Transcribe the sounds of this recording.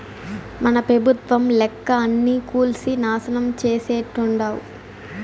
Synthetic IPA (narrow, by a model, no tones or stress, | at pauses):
mɐnɐpɾɐbʱut̪ʋɐmlɛkːɐːnːiːkuːlsinaːsɐnɐmt͡ʃeːseːʈːuɳɖaːwu